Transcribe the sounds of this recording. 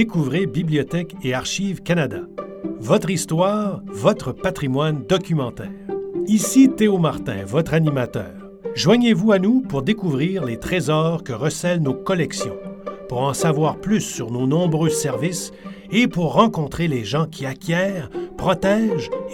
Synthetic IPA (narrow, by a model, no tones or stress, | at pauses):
ekuvʁebibliɔt̪ɛkeaʁʃivkanad̪a̰ | vɔt̪χist̪waːʁvɔt̪χəpat̪χimwand̪ɔkʲymɑ̃t̪ɛːʁisit̪eomaʁt̪ɛ̰̃vɔt̪χanimat̪œ̰ːʁ | ʒwaɲevuanupuʁd̪ekuvʁiːʁlet̪χezɔʁkəʁəsɛlnokɔlɛksjɔ̰̃puʁɑ̃savwaːʁplysːyʁnonɔ̃bʁøsɛʁvis | epuʁːɑ̃kɔ̃t̪χeleʒɑ̃kʲʰiakʲʰjɛːʁpχɔt̪ɛːʒ